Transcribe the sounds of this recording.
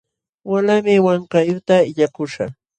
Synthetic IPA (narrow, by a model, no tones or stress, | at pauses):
walamɪwaɴkajʊt̪aɪʎakʊʃa̰